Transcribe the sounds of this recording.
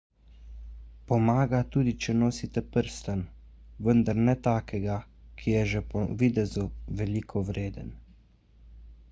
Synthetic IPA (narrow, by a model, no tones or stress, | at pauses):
pɔmaːɡat̪uːd̪it͡ʃɛnoːsit̪ɛpəɾst̪an | ʋənd̪aɾnɛt̪aːkʰɛɡakʰijɛʒɛpɔʋid̪ɛzuʋɛlikʰɔwɾeːd̪ə̰n